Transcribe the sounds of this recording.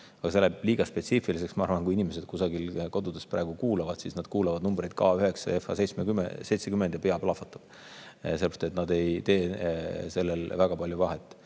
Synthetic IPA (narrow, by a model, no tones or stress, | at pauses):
ɑɡ̥ɑseleb̥liːɡ̥ɑspet̪siːfilis̬e̞ksmɑɑ̰ɾvɑnkuiinimesed̪̚kusɑɡ̥ilko̞d̪ud̪̥est̪pɾæːɡ̥ukuːlɑvɑd̪̥sisnɑd̪̥kuːlɑvɑd̪numbɾejd̪̥̚kɑyɦeksɑ̰efˑɑ̰sejt̪smeɡym̰se̞jt̪sekymːend̪jɑpeɑplɑfɑt̪ːˑɑ̥b̥ | selːbrst̪et̪nɑd̪e̞jt̪e̞ːse̞lːelvæɡ̥ɑpɑlʲjuvɑɦet̪ːˑ